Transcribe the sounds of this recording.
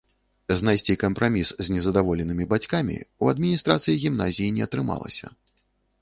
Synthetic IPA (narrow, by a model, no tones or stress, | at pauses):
znajsʲt͡sʲikɐmpɾamʲiszʲnʲɛzɐd̪avɔlʲɛnɨmʲibat͡sʲkamʲḭuɐd̪mʲinʲist̪ɾat̪sɨjiɣʲimnazʲijinʲɛɐt̪ɾɨma̰lˠɐ̰sʲɐ̰